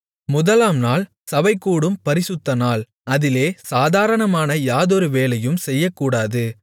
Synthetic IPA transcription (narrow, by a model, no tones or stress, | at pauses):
mʊðɐlaːmnaːl | sɐʋɐɪkːuːɽɯmpɐɾɪsɯt̪ːɐnaːl | ɐðɪleːsaːðaːɾɐɳɐmaːnɐjaːðɔɾɯʋeːlɐjɯmsɛjːɐkːuːɽaːðɯ